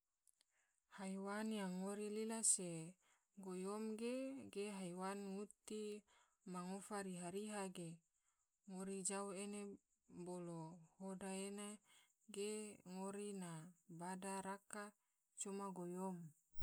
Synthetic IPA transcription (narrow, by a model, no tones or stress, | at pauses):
hajwanjaŋoɾililase | ɡojomɡeɡeɦajwanŋut̪i | maŋofaɾiɦaɾiɦaɡe | ŋoɾid͡ʒauene | bolohodaena | ɡeŋoɾinabadaɾaka | t͡ʃomaɡojom